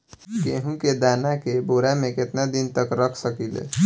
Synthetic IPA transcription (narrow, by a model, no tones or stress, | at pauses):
keɦũked̪anakeboɾamẽket̪nad̪int̪əkɾəkʰsəkilḛ